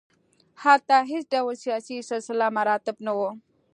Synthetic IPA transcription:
hat̪aɦɪsɖawlsijɑsisalsɪlamaɾɑt̪ɪbnawo

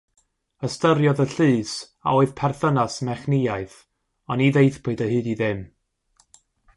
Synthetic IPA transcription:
əstəɾjɔðəɬɨːs | a̰oɨðpʰɛrθənasmɛχnɪjaɨθ | ɔniðejθpʊɨdəɦɨːdiðɪm

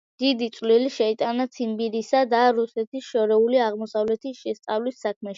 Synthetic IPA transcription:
d̪̥id̪it̪sʼliliʃɛit̪ʼanat̪sʰimbiɾisad̪aɾusɛt̪ʰisʃɔɾɛuliaʁmɔsavlɛt̪ʰisʃɛst̪sʼavlisːakʰmɛʃi

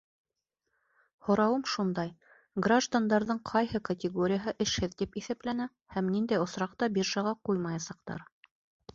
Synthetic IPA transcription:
hŏɾɑwɤmʃund̪ɑj | ɡraʒd̪and̪ɑɾðɤɴqʰɑjhɤkɐt̪ʲɪɡoɾʲɪjəɦɤʔɘ̆ʃhɘðt̪ipiθæplænæ | hæmnind̪æjŏsɾɑqt̪ɑbʲiɾʒɑʁɑqujmɑjɑsɑqt̪ɑ̰ɾ

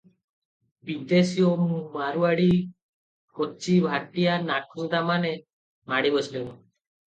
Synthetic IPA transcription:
bid̪esiomumaɾuaɽi | kot͡ʃibʱaʈijanakʰut̪amane | maɽibɔt͡ʃlen

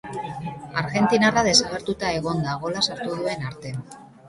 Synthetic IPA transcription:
aɾɣe̞nt̪inaraðe̞saɣ̞e̞ɾt̪ut̪ae̞ɣ̞o̞nd̪aɣ̞o̞lasaɾt̪uðue̞naɾt̪e̞

